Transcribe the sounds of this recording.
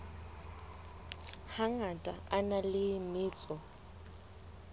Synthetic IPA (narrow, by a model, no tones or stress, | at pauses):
haŋatʼaanalɪmɪːt͡sʼɔ